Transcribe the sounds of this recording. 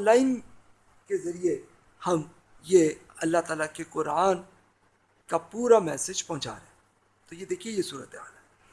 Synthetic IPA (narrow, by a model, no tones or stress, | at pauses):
laːɪn | kezɐɾie | hɐm | jeɐlːat̪aːlakeqʊɾaːn | kapuːɾamɛːsɪd͡ʒpɐ̃ɦʊ̃t͡ʃa̰ːɾḛɦɛ̃ | t̪ojed̪eːkʰiejesuːɾət̪eɦa̰ːlɦɛː